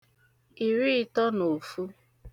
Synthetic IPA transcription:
i˨ɾi˦˨tɔ˦no˨fu˦

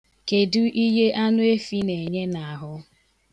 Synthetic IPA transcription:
ke˨du˦ʔi˦ɦe˦ʔa˦nʊ˦e˦fi˦ne˨ɲe˦na˨a˨ɦʊ˦

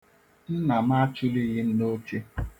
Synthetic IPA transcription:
n̩˦na˨ma˦t͡ʃʊ˦li˦ɣɪ˦n̩˦no˦t͡ʃe˦

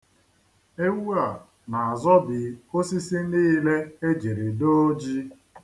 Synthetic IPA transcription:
e˦wu˦a˨ | na˨a˨zɔ˦bɪ˨o˦si˦si˦niː˦le˦e˦d͡ʒi˨ɾi˨do˦d͡ʒi˦

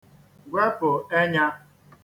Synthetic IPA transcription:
ɡʷɾa˦pʊ˨e˦ɲa˦

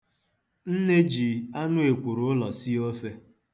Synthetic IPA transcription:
n̩˦ne˦d͡ʒi˨˦a˦nʊ˦e˨kʷu˨ɾʊ˨ʊ˦lɔ˨si˦o˦fe˦

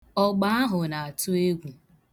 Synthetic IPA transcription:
ɔ˦ɡ͡ba˦a˦ɦʊ˨na˨a˨tʊ˦e˦ɡʷu˨

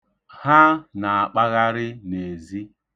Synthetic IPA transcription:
ha˦na˨a˨k͡pa˦ɣa˦ɾɪ˦ne˨zi˦

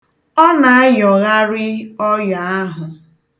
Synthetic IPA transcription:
ɔ˦na˨a˦jɔ˨ɣa˦ɾɪ˦ɔ˦ja˨a˦ɦʊ˨

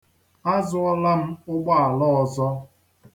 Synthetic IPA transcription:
a˦zʊ˦ɔ˦la˦m̩˦ʊ˦ɡ͡ba˦a˨lɔ˦ɔ˨zɔ˦

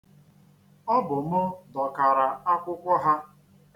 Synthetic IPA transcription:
ɔ˦bʊ˨mʊ˦dɔ˨ka˨ɾa˨a˦kʷʊ˦kʷɔ˦ɦa˦

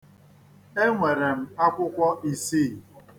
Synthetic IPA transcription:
e˦ŋʷe˨ɾe˨m̩˦a˦kʷʊ˦kʷɔ˦ʔi˨siː˦˨

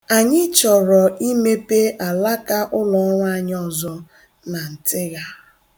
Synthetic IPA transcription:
a˨ɲɪ˦t͡ʃɔ˨ɾɔ˨i˦me˦pe˦ʔa˨la˦ka˦ʔʊ˦lɔ˨˦ɾa˨ɲ˦ɔ˨zɔ˦ | na˨n̩˨tɪ˦ɣa˦

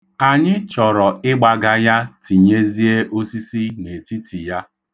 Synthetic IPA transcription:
a˨ɲɪ˦t͡ʃɔ˨ɾɔ˨ɪ˦ɡ͡ba˨ɡa˦ja˦ti˨ɲe˦zi˦e˦ʔo˦si˦si˦ne˨ti˦tʰi˨ja˦

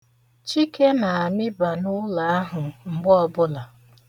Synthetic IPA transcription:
t͡ʃi˦ke˦na˨a˨mɪ˦ba˨nʊ˦la˨a˦ɦʊ˨ŋ͡m̩˨ɡ͡bɔ˦bʊ˦la˨

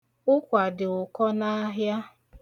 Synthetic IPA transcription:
ʊ˦kʷa˨dɪ˨ʊ˨kɔ˦na˦ɦja˦

